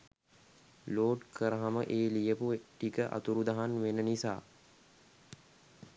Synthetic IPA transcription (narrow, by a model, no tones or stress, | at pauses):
loːʈkʰəɾəɦaməʔeːlijəpuʈikəʔa̰t̪uɾud̪aɦanʋenənisaː